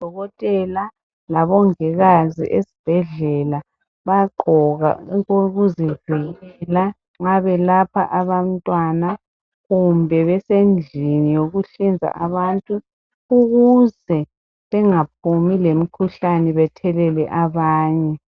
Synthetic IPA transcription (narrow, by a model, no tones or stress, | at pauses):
d̥ʱɔɣɔtʼɛla | laβɔŋɛɣazḭʔesi̥b̥ʱɛɮɛla | βaǃʱɔɣa̰oɣuziv̥ʱiɣɛla | ŋaβɛlapʰa̰ʔaβamtʼwana | ɣumbʱɛβɛsend͡ɮʱinijoɣuɬind͡zʱa̰ʔaβantʼu | uɣuzɛ | βɛŋap̚ʰumilem̩kʰuɬanɛβɛtʰɛlɛlɛʔaβaːɲɛ